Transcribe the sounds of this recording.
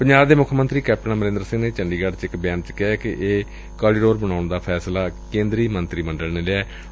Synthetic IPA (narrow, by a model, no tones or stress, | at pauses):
pəɲd͡ʒaːbd̪eːmʊkʰːmənt̪ɾiːkɛːp̚ʰʈnaːməɾẽːnd̪ɾəsɪ̃ŋneːt͡ʃəɳɖiːɡəɖt͡ʃɪkbjaːnt͡ʃkɛːkɪʔeː | kaːɽiːɖoːɾbəɽaːɳd̪aːpʰɛːslaːkẽːnd̪ɾiːmənt̪ɾiːməɳɖəlneːleaɛː